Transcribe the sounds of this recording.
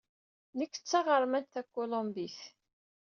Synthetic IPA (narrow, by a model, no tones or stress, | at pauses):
nəkːə̥t͡sːaʁəɾˤmænθækːolõmbiθ